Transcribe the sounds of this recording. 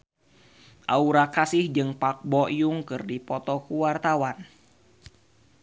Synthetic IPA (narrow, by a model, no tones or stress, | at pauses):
ʔauɾakasɪhd͡ʒɨŋpak̚bɔjuŋkɨrdipɔt̪ɔkuwart̪awan